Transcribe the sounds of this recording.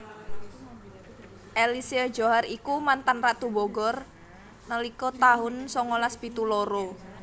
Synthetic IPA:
ʔelisiə̥d͡ʒoɦarikumant̪anraʔt̪uboɡɔr | nəlikɔt̪aɦʊnsɔŋolaspit̪uloɾo

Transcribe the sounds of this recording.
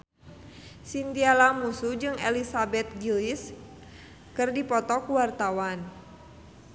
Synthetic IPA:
sint̪ialamusud͡ʒɨŋelisabɛt̪̚ɡilis | kɨrdipɔt̪ɔkuwart̪awan

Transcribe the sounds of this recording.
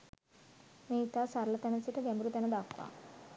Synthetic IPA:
miːt̪asɐɾlɐt̪ɐnɐt͡ʃiʈɐɡembɾut̪ɐnɐd̪aːkʋa̰

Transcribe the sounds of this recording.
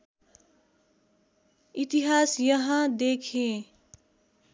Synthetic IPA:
it̪iɦasjʌɦʌ̃d̪ekʰẽ

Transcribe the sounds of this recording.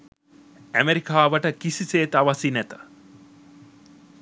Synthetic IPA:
æmeɾikaːʋəʈəkisiseːt̪aʋasinæt̪ə̥

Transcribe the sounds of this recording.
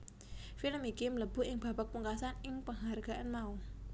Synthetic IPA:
filəmikimələb̥ṳɪŋb̥a̤bak̚puŋkasanɪŋpəŋɦarɡ̥a̤ʔanmau

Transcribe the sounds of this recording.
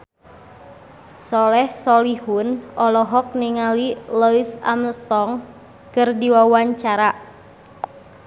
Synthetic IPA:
sɔlɛhsɔlihunɔlɔɦɔk̚niŋalilɔisa̰mlt̪ɔŋ | kɨrdiwawaɲt͡ʃaɾa

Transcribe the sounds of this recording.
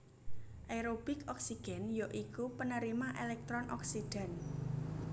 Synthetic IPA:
ʔajɾob̥ɪkɔksiɡ̥ɛ̤njoʔikupənəɾimaʔelɛk̚t̪ɾɔnʔɔksiɖ̥a̤n

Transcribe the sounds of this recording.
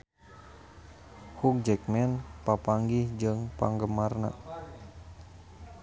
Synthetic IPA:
huk̚d͡ʒɛkmɛnpapaŋɡihd͡ʒɨŋpa̰ŋɡəmarna̰

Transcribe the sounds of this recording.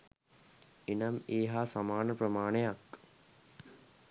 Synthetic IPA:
enameːɦaːsamaːnəprəmaːnejak

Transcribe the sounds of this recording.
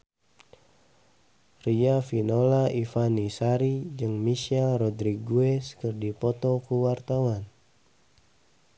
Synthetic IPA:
riafinɔlaifanisaɾid͡ʒɨŋmisialrɔd̪ɾiɡuɛskɨrdipɔt̪ɔkuwart̪awan

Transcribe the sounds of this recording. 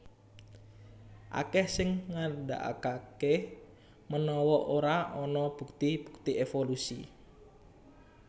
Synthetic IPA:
ʔa̰kɛhsɪŋːarda̰ʔa̰kakɛh | mənɔwɔʔoɾaɔnɔb̥uk̚t̪ib̥u̥k̚t̪iefolusḭ

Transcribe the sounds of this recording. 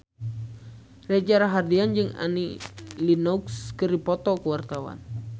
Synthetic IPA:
rɛd͡ʒaɾaɦardiand͡ʒɨŋa̰nilinɔukskɨɾipɔt̪ɔkəwart̪awa̰n

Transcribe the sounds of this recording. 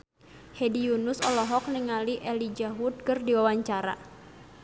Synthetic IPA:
hediunusɔlɔɦɔk̚niŋaliʔɛlid͡ʒaɦut̪̚kɨrdiwawaɲt͡ʃaɾa̰

